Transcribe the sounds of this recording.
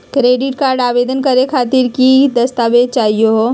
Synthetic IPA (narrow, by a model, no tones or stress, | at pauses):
kɾeːɖɪʈkaːɾɖaːʋeːd̪ənkəɾekʰaːt̪iɾkid̪ɐst̪aːʋet͡ʃaːɦijoɦo